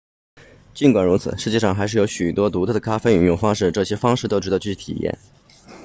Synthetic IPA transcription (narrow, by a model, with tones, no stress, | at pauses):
t͡ɕi˥˩nkwa˨˩nɻu˧˥t͡sʰɹ̩˨˩ʂɻ̩˧˥t͡ɕjɛ˥˧ʂɑ˥˩ŋxa˧˥ʂ̬ɻ̩˥˩jo˧˥ɕy˨˩t̪wɔ˥t̪u˧˥t͡s̪ʰɤ˥˩ə˩kʰa˥fe˥ɪy˨˥˩ŋjʊ˥˩ŋfɑ˥ŋʂ̬ɻ̩˥˧ʈ͡ʂɤ˥˩ɕjɛ˥fɑ˥ŋʂɻ̩˥˩t̪o˥ʊʈ͡ʂɻ̩˧˥d̪t͡ɕy˥˩y˥t̪ʰḭ˨˩jɛ̰˥˩n